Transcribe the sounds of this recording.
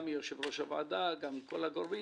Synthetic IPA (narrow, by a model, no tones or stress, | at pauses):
mijoʃevɾoʃava̰ːd̪aɡamikolaɡoɾbi